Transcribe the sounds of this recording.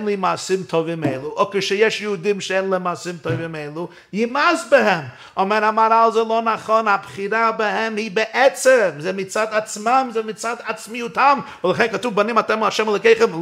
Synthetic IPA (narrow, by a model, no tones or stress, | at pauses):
nlˠimaːsɪmtʰɔvɪmeɪlˠuʔɔkəʃɛjɛʃjuʊdɪmʃeɪnlˠimaːsɪmtʰoʏvɪmeɪlˠu | jɪmazbɪhɛm | ɔnvɛnamaɾalˠzɛlˠoʊnaχɔnapχiɾabahɛmhibəʔɛt͡səmzɛmɪt͡sadat͡smamzɛmɪt͡saːdat͡smiutʰamvəlˠəχeɪnkatuːbanɪmatɛməaʃɛmɛlˠɔɪkeɪχəm